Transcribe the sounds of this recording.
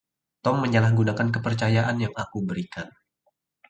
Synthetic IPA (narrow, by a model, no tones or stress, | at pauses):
t̪ɔmːəɲalahɡunakank̬əpərt͡ʃajaʔanjaŋakubəɾikan